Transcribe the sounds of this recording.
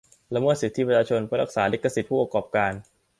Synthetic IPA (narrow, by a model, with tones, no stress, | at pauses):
la˧mɤː˥˩t̪̚si˨˩t̪ʰːi˦˥˩pa˧t͡ɕʰaː˧t͡ɕʰo˧npʰa˧˥ɾa˧˩k̚saː˩˦le˦˥kːa˧si˨˩t̪̚pʰuː˥˩p̚ːa˧kɔː˨˩p̚kaː˧n